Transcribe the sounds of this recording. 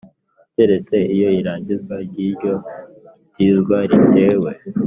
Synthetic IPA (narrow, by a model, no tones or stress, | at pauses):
teɾe̞t͡se̞ʔijo̞iɾaːɲɟizɡwaɾɟiːɾɟo̞ | dizɡwaɾite̞ːwe̞